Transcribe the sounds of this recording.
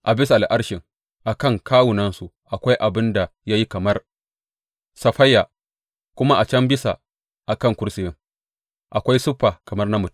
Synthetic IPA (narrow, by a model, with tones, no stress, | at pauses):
ʔa˨bɪ˦s̬a˨ʔa˦ɽʃɪ˨ŋ | ʔa˨kɐ˦˨ŋkʰaː˦wʊ˨nɐ˦nsu˨ʔa˨kʷa˦jʔa˨bɪ˦nda˨ja˦ji˦kɐ˨mɐ˦r | sɐ˦ɸɐ˦jːa˨ | kʷʊ˦ma˦ʔa˨t͡ʃɐ˦mbɪ˦sa̰˨ | ʔa˨kɐ˦˨ŋkʷʊ˦ɾsɪ˨jɪ˦ŋ | ʔa˨kʷa˦jsʊ˦ɸːaː˨kɐ˨mɐ˦rnɐ˦mʊ˨t